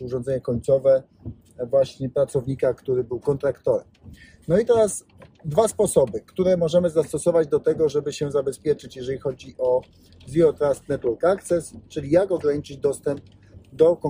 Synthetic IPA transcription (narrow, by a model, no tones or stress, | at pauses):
uʐɔ̃nzɛɲɛkɔɲt̪sɔvɛ | vwaɕɲɛpɾat̪sɔvɲikakt̪uɾɘbɘwkɔnt̪ɾakt̪ɔɾɛm | nɔit̪ɛɾas | d̪vaspɔsɔbɘkt̪uɾɛmɔʐɛmɘzast̪ɔsɔvad͡ʑd̪ɔt̪ɛɡɔʐɛbɘɕɛzabɛspʲjɛt͡ʂɘt͡ɕjɛʐɛlʲixɔd͡ʑiʔɔ | zjɔt̪ɾast̪nɛt̪wɛɾkakt̪sɛst͡ʂɘlʲijakɔɡɾaɲit͡ʂɘd͡ʑd̪ɔst̪ɛmp̚ | d̪ɔkɔ